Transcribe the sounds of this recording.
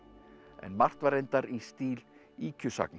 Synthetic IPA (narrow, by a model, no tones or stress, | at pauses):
ɛ̰nmar̥t̪vaɾejnt̪aɾist̪iːl | iːcʰʏsa̰kn